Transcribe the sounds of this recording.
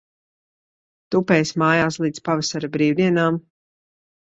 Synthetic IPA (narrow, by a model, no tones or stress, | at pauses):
t̪upɛːjsmaːjaːslˠiːd̪spavɛsaɾabɾiːwd̪iɛnaːm